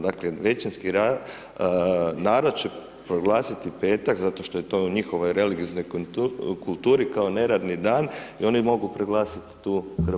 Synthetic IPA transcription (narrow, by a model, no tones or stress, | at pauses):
d̪akleʋe̞t͡ɕinskiɾa | naːɾod̪̚t͡ɕe̞ | pɾoɡlˠaːsit̪ipe̞ːt̪akzat̪o̞ʃt̪o̞jet̪o̞ːuɲixoʋo̞jɾe̞liɡiozno̞jkkulˠt̪uːɾikao̞ne̞ɾad̪nid̪aːnio̞nimo̞ɡupɾoɡlˠaːsit̪i̥t̪uːpr